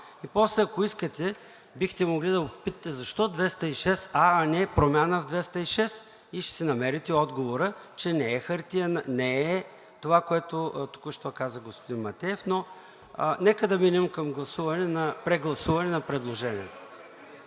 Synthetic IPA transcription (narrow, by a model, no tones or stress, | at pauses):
ipɔslɛɐkoiskət̪ɛ | bixt̪ɛmoɡlid̪ɐopit̪ɐ̥t̪ɛzɐʃt̪ɔd̪vɛst̪ɐiʃɛsaːnɛpɾomʲjanəvd̪vɛst̪ɐiʃɛs | iʃt̪ɛ̥sɛnɐmɛɾit̪ɛɔd̪ɡovoɾət͡ʃɛnɛɛxɐɾt̪ijənnɛɛ | t̪ovakoɛt̪ʊt̪u̥kəʃt̪ɔkazəɡospod̪inmɐt̪ɛɛfno | nɛkəd̪ɐminɛmkɐmɡlˠɐsuvɐnɛnɐpɾɛɡlˠɐsuvɐnɛnɐpɾɛd̪lˠoʒɛnʲiɛt̪o